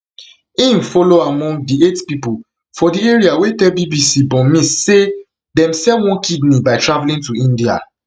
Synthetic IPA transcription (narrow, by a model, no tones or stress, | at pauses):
ĩnfɔloamɔ̃ŋɡdietpipo | fɔdieɹiawetɛlbibisibɔ̃mĩsse | dɛ̃msɛwɔ̃nkidnibaɪtɹavlĩntuĩndia̰